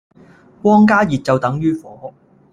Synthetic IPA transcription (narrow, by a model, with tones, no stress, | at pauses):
kwɔː˥ŋk̬aː˥jiː˨t̚t͡sɐ˨wt̪ɐ˨˥ŋjyː˥fɔː˨˥